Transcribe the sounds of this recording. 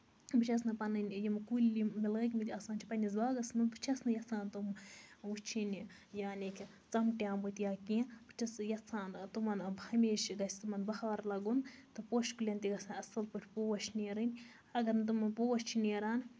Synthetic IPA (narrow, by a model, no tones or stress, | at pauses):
bɨt͡ʃʰɐs̬nɨpɐnɨnʲjimkulʲimilɣɐk̬ʲmit̪ʲɐsaːnt͡ʃipɐnʲizaːɡɐsnɨnbɨt͡ʃʰɐsnɨjɐt͡sʰaːnt̪umut͡ʃʰinʲi | jaːnekʰʲ | t͡sɐmʈʲjaːmbut̪ʲjaːkĩbɨ̥t͡ʃʰɐsjɐt͡sʰaːnt̪umɐnbhɐmeːʃɡɐsʲt̪umɐnbɐxaːɾlɐɡunt̪ɨpoːʃkulʲɐnt̪iɡɐsanʲɐsɐlpuʈʰʲpoːwɐʃnʲeːɾɨnʲ | ɐɡɐɾnt̪̬umɐnpoːwɐʃt͡ʃʰineːɾaːn